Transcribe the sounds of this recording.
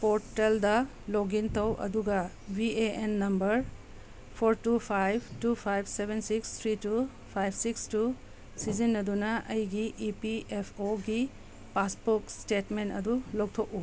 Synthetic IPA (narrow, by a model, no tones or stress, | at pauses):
poɾteldɐ | loɡintʰɐwʔɐ̰duɡɐ | bʱieenːɐmbɐɾ | pʰoɾtupʰajb̚tupʰajb̚ʰʱsebʱensikst̪ʰɾitu | pʰajb̚ʰʱsikstu | sizinːɐdunɐʔɐjɡiʔipiepʰoɡi | paspokstetmentɐ̰dulok̚tʰok̚u